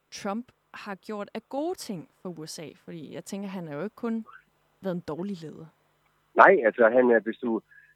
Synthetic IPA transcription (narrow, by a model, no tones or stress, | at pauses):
t͡sʰʁɒ̽mb̥ | hɑ̈ɡ̥jo̝ɐ̰d̥æɡ̥o̝ːt͡sʰe̝ŋ̰fɒ̽uesɛ̰ːfɒ̽d̥ḭːjɑ̈ɪt͡sʰeŋɡ̥ɐɦænhɑjo̝e̝ɡ̥̚kʰɔ̽n | ʋæːð̩ˠd̥ɒːlileːðˠɐ | nɑ̈ɪ̰ælsɒɦænæɐʋesd̥u